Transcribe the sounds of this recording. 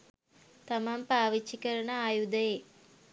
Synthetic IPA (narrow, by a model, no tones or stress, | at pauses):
t̪ɐmampaːʋit͡ʃːikɐɾɐɳɐaːjud̪ɐje